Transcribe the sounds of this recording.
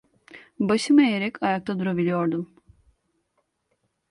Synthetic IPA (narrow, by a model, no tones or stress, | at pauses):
baʃɯmaejeɾɛcʰajak̚t̪ʰad̪uɾabilʲijo̞ɾd̪um